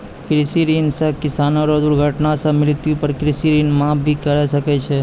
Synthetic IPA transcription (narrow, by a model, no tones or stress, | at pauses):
kɾɪsiɾinsə̃kɪsaːnoɾod̪ʊɾɡʱəʈnasə̃mɪlt̪iupəɾkɾɪsiɾinmãːp̚bʱikəɾɛsəkɛt͡ʃʰɛ